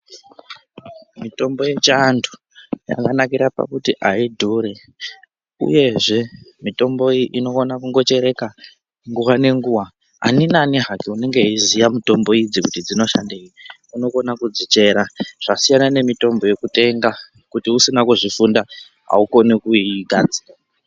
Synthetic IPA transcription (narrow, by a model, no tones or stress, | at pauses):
mito̞mbo̞je̞t͡ʃandʰu̥ | ja̰kanakiɾapa̰kutiʔaidʱuɾe | ṵje̞ʐe̞mito̞mbo̞iʔino̞onakuŋɡo̞t͡ʃe̞ɾe̞ka | ŋɡuwane̞ŋɡuwa | a̰ninaniɦakiune̞ŋɡeizijamito̞mbo̞id͡zikutid͡zino̞ʃa̰ndeii | uno̞ko̞nakud͡zit͡ʃe̞ɾaʐ̥asijanane̞mito̞mbo̞je̞kute̞ŋɡa | kutiusinakuʐifunda | ɦa̰uko̞nikuiɡʱad͡ziːra